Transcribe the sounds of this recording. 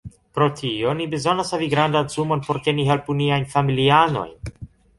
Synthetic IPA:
pɾo̞tʰio̞nibe̞zo̞nashaviɡɾandanzumo̞npo̞ɾke̞niɦelpuniajnfamiliano̞̰jn

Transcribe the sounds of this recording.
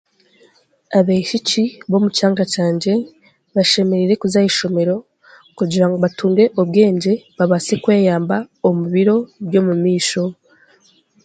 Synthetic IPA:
aβeʃiciβo̞mucaːŋɡacaːɲɟe̞ | βaʃe̞me̞ɾiɾe̞kuzajiʃo̞me̞ɾo̞ | kuɟiɾaŋɡoβatuːŋɡe̞ʔoβɡe̞ːɲɟe̞βaβasekwe̞ːjaːmbaomuβiɾo̞βjo̞mumiːʃo̞

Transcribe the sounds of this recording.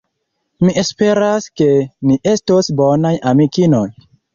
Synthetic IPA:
miʔespe̞ɾaske̞niʔe̞stosbonajamikinoj

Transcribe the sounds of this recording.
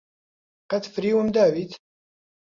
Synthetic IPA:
qɐt̪fɾiːwəmd̪aːwit̪

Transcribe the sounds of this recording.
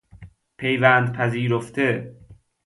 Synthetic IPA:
pʰe̞jvænd̪̚pʰæziːɾoft̪ʰe

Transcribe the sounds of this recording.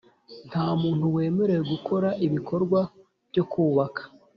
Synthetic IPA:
n̥haːmuːn̥huwe̞ːme̞ɾe̞weɡukʰo̞ɾaʔiβikʰo̞ɾɡwa | v̥ɟokuːβakʰḁ

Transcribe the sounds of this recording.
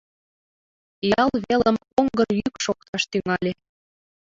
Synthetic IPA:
jɑlβeləm | oŋɡərjykʃok̚t̪ɑʃt̪yŋɑlʲe

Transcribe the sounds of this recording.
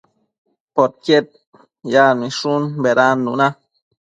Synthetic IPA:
pot̪̚kjet̪̚ | jamĩʃunbeɾanːuna

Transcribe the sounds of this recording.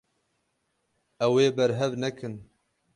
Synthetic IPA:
ʔɛweːbɛɾɦɛvnɛkʰɨn

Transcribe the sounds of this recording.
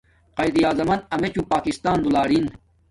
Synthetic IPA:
qɐjd̪ijaːzɐmɐnɐmet͡ɕũpaːkist̪aːnd̪ulaːɾin

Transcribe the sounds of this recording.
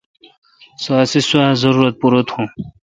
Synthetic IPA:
saːsiswaːzɐɾuːɾɐt̪̚puɾot̪hũ

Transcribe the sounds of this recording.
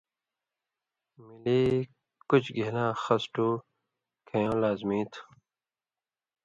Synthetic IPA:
miliː | kut͡ɕɡelãːxɐsʈuː | kʰɐjõːlaːzmĩːt̪ʰ

